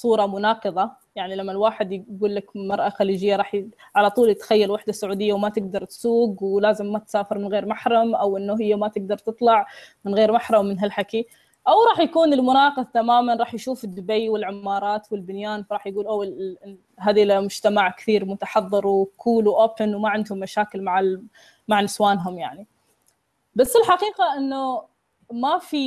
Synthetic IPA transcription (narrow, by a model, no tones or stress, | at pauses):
sˤuːɾˤɑmʊnɑːqɨðˤɑ | jaʕnilamːalwaːħɪd̪ɡuːlːakmɑɾˤʔɑxaliːd͡ʒɪjːaɾˤɑːħ | ʕalat̪ˤuːlt̪xajːalwaħd̪asːʊʕuːd̪ɪjːawmat̪ɪɡ̚d̪ɑɾˤt̪suːɡwlaːzɪmːat̪saːfɪɾmɪnɣeːɾmaħɾˤɑmʔawʔɪnːʊɦɪjːamat̪ɪɡ̚d̪ɑɾˤt̪ɨt̪ˤlɑʕmɪnɣeːɾmaħɾˤɑmːɪnɦalħaki | ʔawɾˤɑːħjakuːnɪlmʊnɑːqɨðˤt̪amaːmanɾˤɑːħjʃuːfɪd̪ːʊbejwɪlʕɪmːɑːɾˤɑːt̪wɪlbɪnjaːnfɑˤɑːħjɡuːlʔaw | ɦaːd̪ilamʊd͡ʒt̪amaʕkθiːɾmʊt̪ɑħɑðˤːɨɾwkʰuːlwʔoːpɪnwmaʕɪnd̪hʊmːaʃaːkɪlmaʕa | maʕnɪswaːnɦʊmja̰ʕni | basːɪlħaqiːqaʔɪnːʊ | mafi